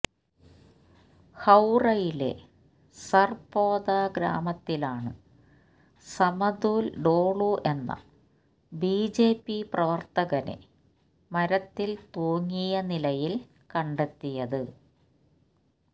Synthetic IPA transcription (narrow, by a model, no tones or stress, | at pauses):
hɐwrɐjile̞̰ | sɐrpoːd̪aːɡɾa̰ːmɐt̪ːilaːɳɨ | sɐmɐd̪uːlɖoːɭuʔe̞nːɐ̰ | biːd͡ʑe̞ːpːiprɐʋɐrt̪ɐɣɐne̞̰ | mɐɾɐt̪ːilt̪oːŋːijɐnilɐjil | kɐɳɖet̪ːijɐðɨ